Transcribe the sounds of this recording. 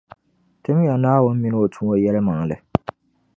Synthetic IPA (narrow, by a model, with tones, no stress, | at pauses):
tɨ˦m˦ja˨naː˦wʊ˦n̩˦mi˦nɨ˦o˨tʰu˦o˦jɛ˦lɨ˦ma˨ŋ˨lɨ˨